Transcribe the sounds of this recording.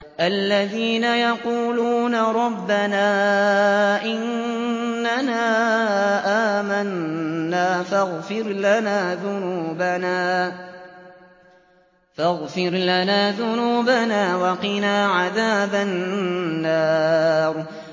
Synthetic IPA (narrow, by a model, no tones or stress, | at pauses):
ʔalːaðiːnajɑquːluːnaɾˤɑbːanaː | ʔɪnː | anaːʔaːmanːaːfaɣfɪɾlanaːðʊnuːbanaː | faɣfɪɾlanaːðʊnuːbanaːwɑqɪnaːʕaðaːbanː | aːɾ